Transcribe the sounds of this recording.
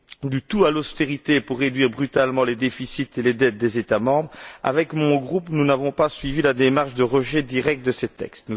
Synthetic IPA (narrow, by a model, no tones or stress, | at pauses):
d̪yt̪ualost̪eʁit̪epuʁːed̪ɥiʁbʁyt̪almɑ̃led̪efisit̪eled̪ɛt̪̚d̪ezet̪amɑ̃bʁa̰vɛkmɔ̃ɡʁupnunavɔ̃pasɥivilad̪emaʁʃd̪əʁəʒɛd̪iʁɛk̚t̪̚d̪əsət̪ɛ̰kst̪nu